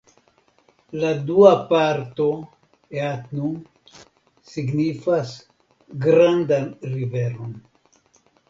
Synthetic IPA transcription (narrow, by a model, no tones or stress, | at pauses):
laduapaɾt̪o̞ | eatnu | siɡnifas | ɡɾandanɾiveɾon